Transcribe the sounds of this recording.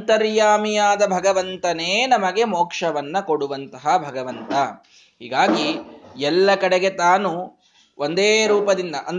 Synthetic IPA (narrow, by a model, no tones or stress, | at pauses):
t̪ɐɾjaːmijaːd̪ɐbʱɐɡɐʋɐnt̪ɐneːnɐmɐɡe̞moːkʂɐʋɐnːɐko̞ɽuʋɐnt̪ɐɦɐbʱɐɡɐʋɐnt̪ɐ | ɦḭːɡaːɡiɛlːɐkɐɽeɡe̞t̪aːnu | ʔond̪eːɾuːpɐd̪ind̪ɐʔɐn